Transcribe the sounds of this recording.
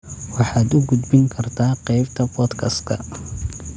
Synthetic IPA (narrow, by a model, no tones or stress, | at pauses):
wɑħɑːd̪ʊɡʊd̪bɪŋkʰɐrt̪ʰaːqɛjbt̪ʰɐbɔt̪kʰɐskʰɐ̰